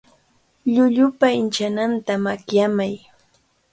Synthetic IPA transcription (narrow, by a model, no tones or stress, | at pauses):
ʎʊʎʊpaɪnt͡ʃanant̪amakjamaj